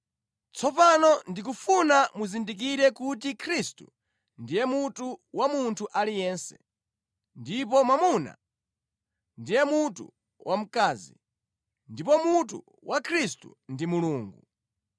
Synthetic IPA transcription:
t͡sɔpanɔndik̬ufunamuzindik̬iɾɛkutikʰɾistṵ | ndijɛmutuwamuntʰuʔalijɛːnsɛ̥ | ndipɔmwamuna̰ | ndijɛmutṵ | wʔam̩kaːzḭ | ndipɔmutṵ | wʔakʰɾistṵndimuluːŋɡu

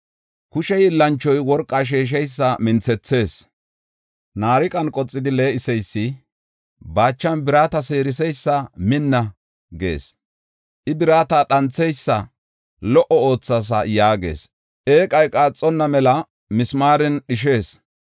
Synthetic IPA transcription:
kʊʃɛjɪlːɐnt͡ʃːɔjwɔɾkʼːɐʃ̬eːʃ̬ɛjsːɐmɪnt͡sɛt͡sːe̞ːs | naːɾɪkʼɐnkʼɔt͡sʼːɪd̪ɪle̞ːɪsɛjsːɪ | baːt͡ʃːɐnbɪɾaːt̪ɐse̞ːɾɪs̬ɛjsːɐmɪnːɐ | ɡe̞̰ːs | ʔɪbɪɾaːt̪ɐɗɐnt͡sːɛjsːɐ | lɔʔɔo̞ːt͡sːas̬ɐ̰jaːɡe̞̰ːs | ʔeːkʼɐjkʼaːt͡sʼːɔnːɐmɛlɐ | mɪsmaːɾɛnɗɪʃ̬e̞ːs

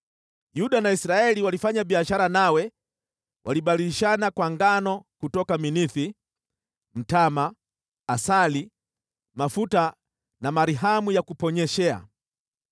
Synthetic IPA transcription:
juɗanaisɾaɛliwalifaɲaɓiaʃaɾanawɛ | wʔa̰liɓaliiʃanakwaŋɡanɔkutɔkaminiθi | m̩tamaː | sali | mafuta | namaɾiɦamujakupɔɲɛʃɛa̰

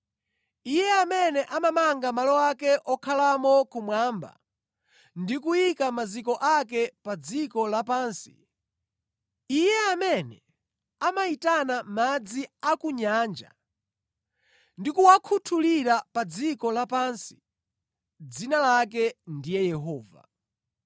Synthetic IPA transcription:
ijɛamɛnɛʔamamaŋɡamalɔwakɛʔɔkʰalamɔkumwaːmba̰ | ndikujikamazikɔʔakɛpad͡zikɔlapaːnsi̥ | ijɛamɛnɛ | amaitanamad͡ziakuɲaːnd͡ʒa̰ | ndikuwakʰutʰuliɾapad͡zikɔlapansi̥ | d͡zinalak̬ɛndijɛjɛɦɔːva̰

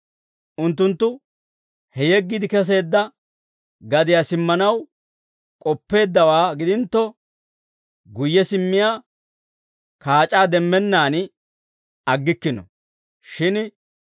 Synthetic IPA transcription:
ʔʊnt̪ːʊnt̪ːʊ | hɛjɛɡːɪd̪ɪkɛs̬e̞ːd̪ːɐ | ɡɐd̪ɪjasɪmːɐnɐw | kʼɔpːe̞ːd̪ːɐwaːɡɪd̪ɪnt̪ːɔ | ɡʊjːɛsɪmːɪjaː | kaːt͡ʃʼaːd̪ɛmːɛnːaːn | ɐɡːɪkːɪnɔ̰ | ʃɪn

